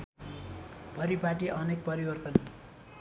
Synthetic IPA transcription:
b̥ʱʌɾipaʈiʔʌnek̚pʌɾibʌrt̪ʌn

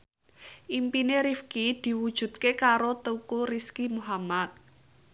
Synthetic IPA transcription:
ʔimpineɾifkid̪̥i̤wud̥ʒ̥ṳt̪kekaɾot̪əkuɾiskimuɦamat̪̚

